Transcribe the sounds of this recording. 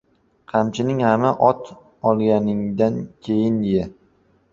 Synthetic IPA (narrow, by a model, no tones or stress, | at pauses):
qʰɑmt͡ʃʰɪnɪŋhamaʔɒt̪ʰ | ɒlˠɡʲanɪŋd̪ankʲʰejɪnja